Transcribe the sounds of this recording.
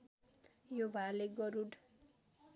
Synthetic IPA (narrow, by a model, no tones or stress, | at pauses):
jobʱaleɡʌɾuɖ